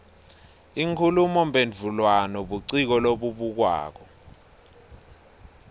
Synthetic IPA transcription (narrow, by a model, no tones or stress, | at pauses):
iŋkʰulumɔmbʱend͡vʱulwanɔɓuǀik̬ɔloɓuɓuk̬wa̰ːk̬ɔ